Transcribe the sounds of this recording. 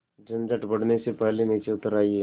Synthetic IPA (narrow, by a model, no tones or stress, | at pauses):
d͡ʒə̃nd͡ʒəʈbəɽnesepɛɦleniːt͡ʃeʊt̪əɾaːi